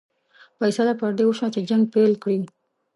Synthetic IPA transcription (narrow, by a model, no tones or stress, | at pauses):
pajsalapəɾd̪ewəʃwat͡ʃed͡ʒaŋɡ̚pelkɽi